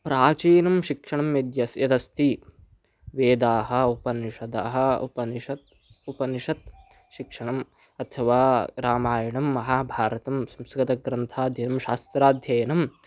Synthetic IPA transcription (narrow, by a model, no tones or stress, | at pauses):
pɾaːt͡ʃiːnɐmʃikʂɐɳɐmjɐd̪jɐsjɐd̪ɐst̪ʰi | ʋeːd̪aːɦɐ̆upɐniʃɐd̪aːɦɐṵpɐniʃɐt̪ | upɐniʂɐt̪̚ | ʃikʂɐɳɐm | ɐt̪ʰɐʋaːɾaːmaːjɐɳɐmːɐɦaːbʱaːɾɐt̪ɐmsɐmsɐkɡɐt̪ɐɡɾɐnt̪ʰaːd̪ʱjɐnɐmʃaːst̪ɾaːd̪ʱjɐjɐnɐm